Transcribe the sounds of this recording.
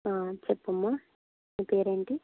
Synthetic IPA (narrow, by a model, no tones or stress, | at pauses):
aːt͡ʃepːumːa | nipeːɾeɳʈi